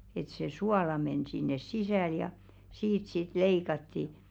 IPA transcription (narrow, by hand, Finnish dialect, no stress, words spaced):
et se suɑlɑ men sinːes sisæˑl jɑ siːt sit leikɑtːi